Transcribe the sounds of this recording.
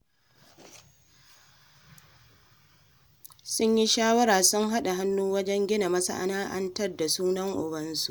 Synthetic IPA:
sʊ˦ɲji˦ʃaː˦wɐ˦ɾaː˨sʊ˦ŋɦa˦ɗa˨ɦa˦nːuː˦wɐ˦d͡ʒɛ˦ŋɡʲɪ˦na˨mɐ˦sa̰˦ʔa̰˨naː˦ʔɐ̰˦ntɐ˦rda˨suː˦nɐ˦ŋʔʊ̰˨bɐ˦nsu˦ʔ

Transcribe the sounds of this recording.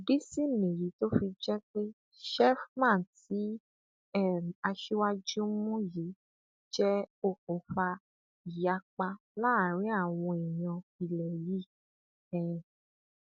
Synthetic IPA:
di˦si˦˨nĩ˨ji˨˦to˦fi˧d͡ʒɛ˦k͡pe˦ | ʃɛ˦fmã˦˨n˨ti˨˦ | ɛ˦˨a˧ʃi˦wa˦d͡ʒu˦mũ˦ji˨˦ | d͡ʒɛ˦o˧k̚ũ˨fa˧ | i˨ja˨˦k͡pa˧ | la˦˨ɾ̃ĩ˨˦a˦˨w̃ɔ̃˧i˨j̃ɔ̃˧i˨lɛ˨ji˦˨ | ɛ̃˨

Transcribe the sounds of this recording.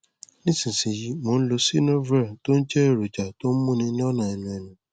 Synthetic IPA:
nĩ˦sĩ˨sĩ˨ji˨˦mo˨˧n̩˦lo˧si˦nõ˦vɾɛ˦˨to˦n̩˦d͡ʒɛ˦e˦˨ɾo˨d͡ʒa˨to˦n̩˦mũ˦nĩ˧nĩ˦ɔ˦nã˨ɛ˨nũ˨ɛ˨nũ˨

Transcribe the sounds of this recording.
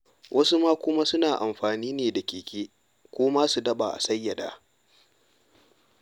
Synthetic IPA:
wʔɐ˦su˦maː˦kʷʊ˦ma˦sʊ˦naː˨ʔa˨mɸaː˨niː˦neː˨da˨kʲeː˨kʲeː˦ | kʷoː˦ma˦su˨dɐ˦ɓaː˨ʔa̰˨sɐ˦jːɐ˨da̰ː˦

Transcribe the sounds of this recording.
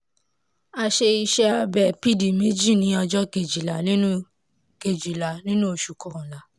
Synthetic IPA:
a˧ʃe˧i˧ʃɛ˦a˧bɛ˨pi˦di˨me˦d͡ʒi˦˨nĩ˨˦ɔ˧d͡ʒɔ˦ke˨d͡ʒi˨la˨˦nĩ˦ũ˦ | ke˨d͡ʒi˨la˨˦nĩ˦nũ˦o˧˨ʃu˨kɔ˨ɾɔ̃˨la˨˦

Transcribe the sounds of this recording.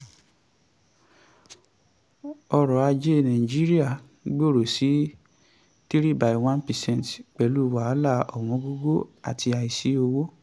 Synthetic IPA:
ɔ˧ɾɔ˨a˧d͡ʒe˦nã˨ĩ˨d͡ʒi˦ɾi˦a˦˨ | ɡ͡bo˦˨ɾo˨si˨˦ | ti˦ɾi˦ba˨jw̃ã˦npɛ˨sɛ̃˦˨n˨tk͡pɛ˨lu˦˨wa˨˦la˦˨ɔ˨w̃ɔ̃˨˧˦ɡo˦ɡo˦a̰˨ti˧a˨i˨si˨˦o˧wo˦

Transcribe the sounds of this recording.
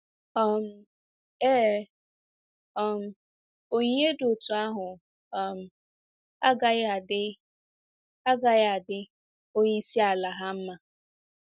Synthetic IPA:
ɔ˦m̩˦ | eː˦ | ɔ˦m̩˨ | o˨ɲe˦dʊ˨tu˨a˦ɦʊ˨ | ɔ˦m̩˨ | a˦ɡa˦a˨dɪ˦ | a˦ɡa˨ja˨dɪ˦ | o˦ɲi˦si˦a˨la˨ɦa˦m̩˦ma˦

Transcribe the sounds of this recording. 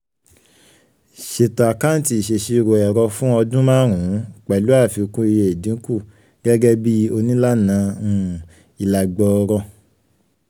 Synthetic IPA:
ʃe˨ta˨ka˦n˦ti˧˦i˨ʃe˨ʃi˧ɾo˨ɛ˨ɾɔ˧fũ˦ɔ˧dũ˦mã˦ɾ̃ũ˨˦k͡pɛ˨lu˦a˦˨fi˧o˧kũ˦i˧je˧e˨dĩ˨˦ku˦˨ | ɡ̥ɛ˦ɡɛ˦bi˦o˧nĩ˦la˦nã˧ũ˦˨ | i˨la˨ɡ͡bɔ˨˧ɾɔ˧

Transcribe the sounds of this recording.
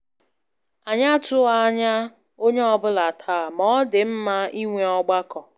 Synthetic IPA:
a˨ɲa˦tʊ˦a˦ɲa˦ | o˦ɲe˦ɔ˦bʊ˦la˨tʰaː˦˨mɔ˦dɪ˨m̩˦ma˦i˦ŋʷe˦ɔ˦ɡ͡ba˦kɔ˨

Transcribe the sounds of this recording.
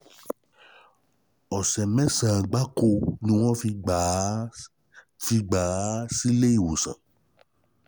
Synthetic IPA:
ɔ˨sɛ˨mɛ̃˦sã˨ɡ͡ba˨˦ko˧nĩ˧˦w̃ɔ̃˦fi˧ɡ͡b | fi˧ɡ͡ba˨˦si˦le˦i˦˨wo˨sã̰˨

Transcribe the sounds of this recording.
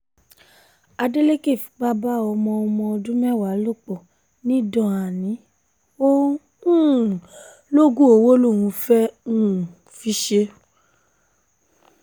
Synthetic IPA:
a˧de˦le˦ke˦˨fi̥˨k͡pa˦ba˦ɔ˧mɔ̃˧ɔ˧mɔ̃˧ɔ˧dũ˦mɛ˦˨wa˨˦lo˦˨k͡pɔ˨ | nĩ˦dɔ̃˧˨a˨nĩ˨˦ | o˦ | ũ˦˨ | lo˦ɡũ˦o˧˨wo˦lo˦˨w̃ũ˧fɛ˦ũ˦˨ | fi˨˦ʃe˧

